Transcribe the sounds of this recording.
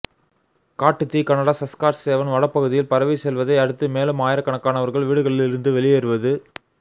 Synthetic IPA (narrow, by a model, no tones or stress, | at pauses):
kaːʈːɯt̪ːikɐnɐɽaːsɐskaːɾseːʋɐnʋɐɽɐpːɐɣɯðɪjɪlpɐɾɐʋisɛlʋɐðɐɪɐɽɯt̪ːɯmeːlɯmaːjɪɾɐkːɐɳɐkːaːnɐʋɐɾɣɐɭʋiːɽɯɣɐɭɪlɪɾɯnd̪ɯʋɛlɪjeːɾɯʋɐðɯ